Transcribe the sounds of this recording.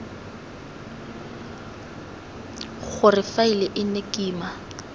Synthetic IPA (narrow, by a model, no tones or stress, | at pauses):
ɣʊrɪfailɛʔɪnekʼiːma